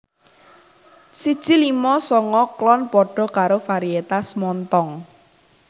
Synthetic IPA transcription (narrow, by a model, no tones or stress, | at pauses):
sid̥ʒ̥ilimɔsɔŋɔklɔnpɔɖ̥ɔ̤kaɾofaɾiet̪asmɔnt̪ɔŋ